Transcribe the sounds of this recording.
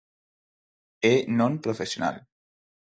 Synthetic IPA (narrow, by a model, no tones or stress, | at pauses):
enonpɾofesjona̰l